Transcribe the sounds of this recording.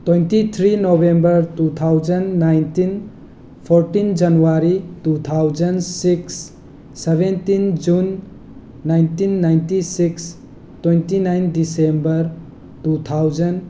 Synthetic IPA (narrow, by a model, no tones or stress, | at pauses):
t̪wejntit̪ʰɾinobembʌɾt̪ut̪ʰawd͡ʒənnajnt̪in | pʰoɾʈind͡ʒʌnuwaɾitut̪ʰawd͡ʒʌnsiksː | eβentind͡ʒunː | ajntinːajntisiks | twentinajnɖisembʌɾ | tut̪ʰawd͡ʒʌn